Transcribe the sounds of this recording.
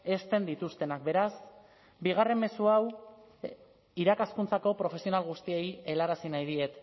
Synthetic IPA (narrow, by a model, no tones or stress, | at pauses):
e̞st̪e̞nd̪it̪ust̪e̞nak̚be̞ɾas | biɣ̞are̞mːe̞suaw | iɾakaskunt͡sako̞pɾo̞fe̞sio̞nalɣ̞ust̪ie̞jelaɾasinajð̞ie̞t̪